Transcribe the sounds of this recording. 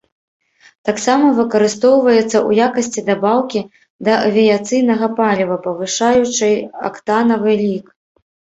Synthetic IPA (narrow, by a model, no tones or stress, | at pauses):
t̪aksamɐvɨkɐɾɨst̪ɔwvɐjɛt̪sːɐʔṵjakɐsʲt͡sʲid̪abawkʲi | d̪ɐɐvʲijat̪sɨjnɐɣɐpalʲivɐpɐvɨʂajut͡ʂɨja̰kt̪anɐvɨlʲik